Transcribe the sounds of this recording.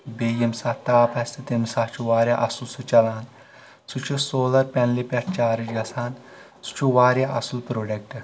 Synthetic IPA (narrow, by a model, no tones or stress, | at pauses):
bejemsaːt̪aːpʰast̪it̪emsaːt͡ʃʰuʋaːɾʲja̰ʔɐsulsut͡ʃɐlaːn | sut͡ʃʰusoːlɐɾpʲɛnlipʲat̪t͡ʃaːɾit͡ʃɡɐsaːn | su̥t͡ʃʰuʋaːɾjaʔɐsulpɾoɖek̚ʈ